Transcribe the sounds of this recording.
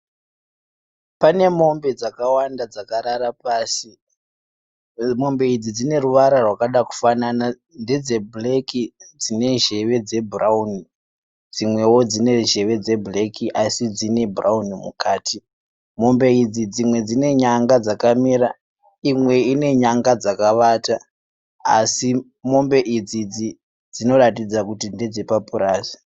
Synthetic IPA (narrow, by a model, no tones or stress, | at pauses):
pane̞mo̞mbe̞d͡zakawandad͡zakaɾaɾapaːsi | mo̞mbe̞id͡zid͡zine̞ruʋaɾarwakaɗaku̥fanana | nde̞d͡ze̞blekid͡zine̞ʒe̞ʋe̞d͡ze̞burauni | d͡zimwe̞wo̞d͡zine̞ʒe̞ʋe̞d͡ze̞bulekʰiʔasid͡zine̞buraunimṵkaːtʰi | mo̞mbe̞id͡zid͡zimwe̞d͡zine̞ɲaŋɡad͡zakamiɾa | imwe̞ine̞ɲaŋɡad͡zakaʋata | a̰si | mo̞mbe̞ʔid͡zid͡zi | d͡zino̞ratid͡zakutinded͡ze̞papuɾaːzi̥